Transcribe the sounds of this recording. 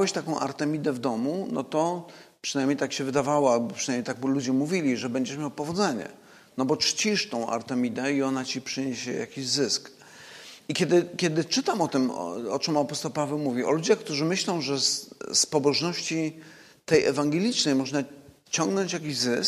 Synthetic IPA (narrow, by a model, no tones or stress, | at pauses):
wɛɕt̪akɔ̃w̃ʔa̰ɾt̪ɛmʲid̪ɛvd̪ɔmunɔ̰t̪ɔpʂɨnajmɲejt̪akɕɛvɘd̪avawabɔpʂɨnajmɲjejt̪aɡ̚blud͡ʑɛmuvʲilʲiʐɛbɛɲd͡ʑɛʂmʲjawpɔvɔd̪zɛɲɛ̰ | nɔbɔt͡ʂt͡ɕiʂt̪ɔ̃w̃ʔa̰ɾt̪ɛmʲid̪ɛiɔnat͡ɕipʂɨɲeɕɛja̰kʲiʑzɘsk | ikʲɛd̪ɘkʲɛd̪ɘt͡ʂɘt̪amɔt̪ɘm̰ɔt͡ʂɛmapɔst̪ɔwpavɛwmuvʲiɔ̰lud͡ʑaxkt̪uʐɘmɘɕlɔ̃w̃ʐɛsspɔbɔʐnɔɕt͡ɕi | t̪ɛjʔɛvaŋɡɛlʲit͡ʂnɛjmɔʐna | t͡ɕɔŋɡnɔɲt͡ɕjakʲiʑzɘsk